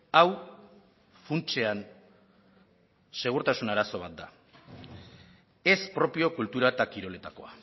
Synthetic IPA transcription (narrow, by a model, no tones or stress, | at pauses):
aw | funt͡se̞an | se̞ɣ̞uɾt̪asunaɾaso̞β̞at̪̚d̪a̰ | e̞spɾo̞pio̞kult̪uɾaet̪akiɾo̞le̞t̪ako̞̰a